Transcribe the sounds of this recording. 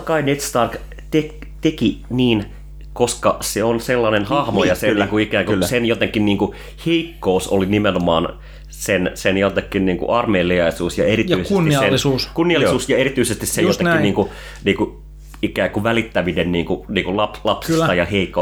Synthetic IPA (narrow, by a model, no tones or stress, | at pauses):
ɑkɑinet̪st̪ɑrk | t̪ek | t̪ekiniːn | koskɑseonselːɑnenhɑhmojɑsenːŋkuikæːŋkulsenjot̪eŋkːinniːŋku | heikːouso̰linimenomɑ̰ːn | sensenjot̪ekːinniːŋkṵʔɑrmeːliɑisuːsjɑeɾitjyˑiseusnislenlːisuskunːiɑlːisuːsjɑeɾit̪yisest̪issejjot̪ekkinniːŋku | niːŋku | ikæːŋkuʋælit̪ːæʋinenniːŋkuniːŋkulɑplɑpsisɑjɑheikːo